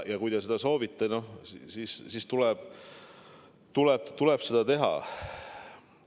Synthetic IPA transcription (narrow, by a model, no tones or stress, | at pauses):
jɑkujd̪esed̪ɑso̞ːvit̪ːˑɑno̞ssiːssiːst̪ulɛb̥ | t̪ulɛb̥̚t̪ulɛb̥se̞d̪̥ɑt̪e̞ɦɑ̰